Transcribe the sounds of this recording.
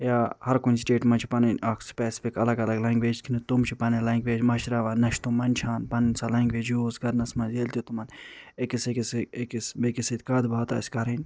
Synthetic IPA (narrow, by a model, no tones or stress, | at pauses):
jaːhɐɾkunsʈeːʈmɐnt͡ʃʰipɐninɐkspɛːsi̥pʰikɐlɐɡɐlɐɡlaŋɡʋeːd͡ʒkʰinit̪umt͡ʃʰipɐnilãŋɡʋeːd͡ʒmɐʃɾaʋaːnɐʃt̪umɐnʲt͡ʃʰaːnpɐninsalaŋɡʋeːd͡ʒuːsɡɐɾnɐsmɐnzeːlʲt̪jot̪umɐnekisekisekisbekiset̪̚ʲkaːd̪baːt̪a̰ːsʲkɐɾinʲ